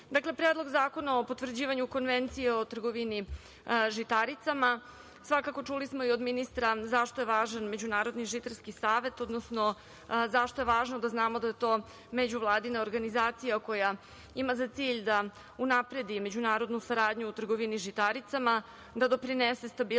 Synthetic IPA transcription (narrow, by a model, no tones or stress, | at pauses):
d̪aklepɾeːd̪lˠoɡzaːko̞nao̞pot̪ʋr̩d͡ʑiːʋaɲuko̞nʋent̪sijeo̞t̪r̩ɡo̞ʋini | ʒit̪aɾit̪sama | sʋakako̞t͡ʂulismoio̞d̪minist̪ɾazaʃt̪o̞je̞ʋaːʒanme̞d͡ʑunaːɾo̞d̪niʒit̪aɾskisaːʋe̞t̪o̞d̪nosno̞ | zaʃt̪o̞je̞ʋaːʒnod̪aznaːmo̞d̪ajet̪o̞ː | med͡ʑuʋlˠaːd̪inaoɾɡanizaːt̪sijako̞ja | imazat̪siːʎd̪a | unapɾe̞d̪ime̞d͡ʑunaːɾo̞d̪nusaɾaːd̪ɲuːt̪r̩ɡo̞ʋiniʒit̪aɾit̪sama | d̪ad̪o̞pɾinese̞st̪abi